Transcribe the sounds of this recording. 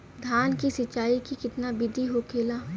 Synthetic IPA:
d̪ʱaːnkisɪt͡ʃaːikikɪt̪nabɪd̪ʱiɦoːkʰeːlaː

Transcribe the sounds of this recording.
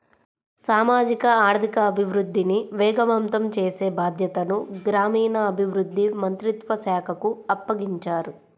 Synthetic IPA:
saːmaːd͡ʒikɐaːɾd̪ʱikɐːbʱiʋɾud̪ʱːiniʋɛːɡɐʋɐmt̪ɐmt͡ʃeːseːbaːd̪ʱjɐt̪ɐnuɡɾaːmiːnɐːbʱiʋɾud̪ʱːimɐnt̪ɾit̪ʋɐsaːkʰɐkuɐpːɐɡiɲt͡ʃaːɾu

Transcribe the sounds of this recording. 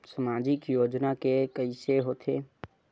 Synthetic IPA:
səmaːd͡ʒɪkjoːd͡ʒnakekəiseɦoːt̪ʰeː

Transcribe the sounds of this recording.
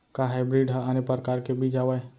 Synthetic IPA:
kaɦajbɾiɖəanepəɾkaːɾkebʱid͡ʒaːwaj

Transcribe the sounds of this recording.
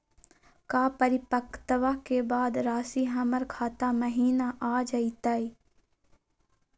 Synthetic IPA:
kaːpəɾɪpəkt̪əʋakebaːd̪ɾaːsiɦɐməɾkʰaːt̪aməɦiːnaʔaːd͡ʒait̪aːi

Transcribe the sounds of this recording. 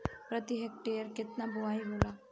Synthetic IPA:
pɾət̪iɦek̚ʈejəɾkɪt̪nabʊaːjɦoːlaː

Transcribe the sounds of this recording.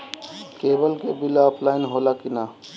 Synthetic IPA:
kebəlkebilaɔpʰlaɪnɦolakina

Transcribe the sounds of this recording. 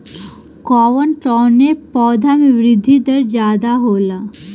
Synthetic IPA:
kɔːʋənʈɔːnepɔːd̪ʱamĩʋɾɪd̪ʱːid̪əɾd͡ʒaːd̪aɦoːla

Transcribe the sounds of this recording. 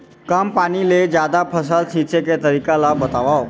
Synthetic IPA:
kampaniled͡ʑjad̪apʰəsəlsʰĩt͡ʃeket̪əɾikalabət̪aʋao

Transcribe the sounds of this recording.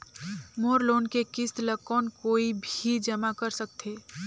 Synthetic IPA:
moːɾloːnkekɪst̪ləkːɔːnkoːibʱid͡ʒəmakəɾsək̚t̪ʰeː

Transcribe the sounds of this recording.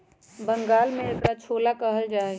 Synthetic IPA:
bəŋɡaːlmẽʈɾat͡ʃʰoːlakəɦəld͡ʒaː

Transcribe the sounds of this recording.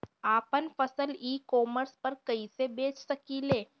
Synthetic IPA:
aːpənfəsəliːkɔːməɾspɐɾkɐisebeːt͡ʃsɐkileː

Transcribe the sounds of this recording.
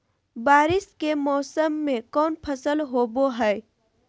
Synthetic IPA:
baɾiskemɔsəmːekɔːnpʰəsəlɦoboɦəj

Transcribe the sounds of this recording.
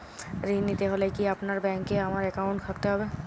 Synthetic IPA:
ɾinːit̪eɦolekiɐpnaɾbɛ̃ːŋkːeɐmaɾɛkaʊ̃ɳʈkʰɐkt̪eɦoːbe

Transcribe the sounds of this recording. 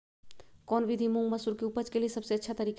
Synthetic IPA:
kɔːnʋid̪ʱimũŋɡməsuɾkeupəd͡ʒkeliesɐbseɐtːʃʰat̪ɐɾiːk

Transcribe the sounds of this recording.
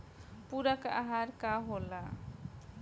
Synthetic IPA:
puɾakaɦaɾkaɦola

